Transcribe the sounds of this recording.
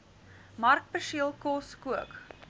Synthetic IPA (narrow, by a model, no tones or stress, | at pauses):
mɐrk̚pəʃiəlˠkɔskuək